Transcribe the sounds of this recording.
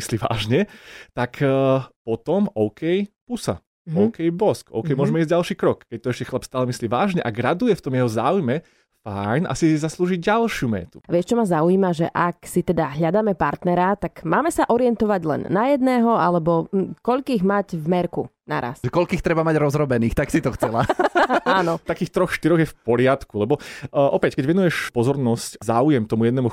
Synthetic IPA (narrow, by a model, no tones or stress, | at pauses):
isliːʋa̰ːʒɲɛt̪akʰːpɔt̪ɔmɔʊkʰɛjpusa̰ | ɔʊkɛjbɔskɔ̰ʊkɛjmʊɔʒmɛizɟalʃiːkɾɔkkɛc̚t̪ɔɛʃcɛxlˠapst̪aːlɛmisliːʋa̰ːʒɲɛʔaɡɾad̪ujɛft̪ɔmjɛɦɔzaːujmɛ | fajnʔa̰sizasluːʒiɟɟalʃɪumɛ̰ːt̪u̥aʋɪɛʃt͡ʃɔmazauiːmaʒɛ̰ʔaksit̪ɛd̪aɦʎad̪aːmɛpaɾt̪nɛɾat̪akmaːmɛsaʔɔɾɪɛnt̪ɔʋaɟlɛ̰nːajɛd̪nɛːɦɔalɛbɔkɔʎkiːɣmacvmɛɾkṵna̰ɾa̰sɛkɔʎkiːxt̪ɾɛbamaɟɾɔzɾɔbɛniːxt̪aksit̪ɔxt͡sɛlaaːnɔt̪akiːxt̪ɾɔxʃt̪iɾɔɣjɛfpɔɾɪat̪kulɛbɔʔɔpɛckɛɟʋɛnujɛʃpɔzɔɾnɔsczaːujɛmt̪ɔmujɛd̪nɛmu